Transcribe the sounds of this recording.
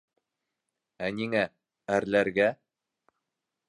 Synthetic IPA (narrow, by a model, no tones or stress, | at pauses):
æniŋæ | æɾlæɾɡæ